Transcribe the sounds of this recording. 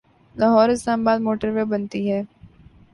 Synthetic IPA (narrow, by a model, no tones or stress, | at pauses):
lɐɦɔːɾɪslaːmabaːd̪moːʈəɾʋebɐnt̪iɦɛː